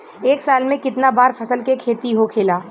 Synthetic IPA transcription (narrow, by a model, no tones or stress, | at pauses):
eːksaːlmẽkɪt̪nabaːɾfʰɐsəlkekʰeːt̪iɦokʰeːlaː